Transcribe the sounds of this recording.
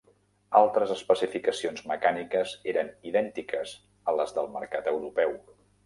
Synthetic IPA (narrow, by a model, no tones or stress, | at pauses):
alˠt̪ɾəzəspəsifikəsionzməkanikəzeɾəniðɛnt̪ikəz | ələzðəlˠmə̰ɾkat̪əwɾupɛw